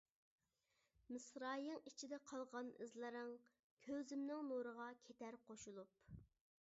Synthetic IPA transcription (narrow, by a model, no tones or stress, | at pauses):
mɨsɾɑːjɨŋit͡ʃʰid̪ɛqʰɑlˠʁɑnɨzlˠɨɾɨŋ | kʲʰøzɪmnɪŋnoɾəʁɑkʲʰet̪ʰæɾqʰoʃulˠup